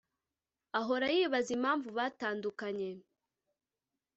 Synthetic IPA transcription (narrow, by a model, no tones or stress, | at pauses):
aɦo̞ɾajiːβazimaːɱvuβaːtaːndukaɲe̞